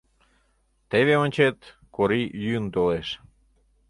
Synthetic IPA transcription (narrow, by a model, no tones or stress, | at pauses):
t̪eβeonʲt͡ɕet̪ | koɾijyənt̪oleʃ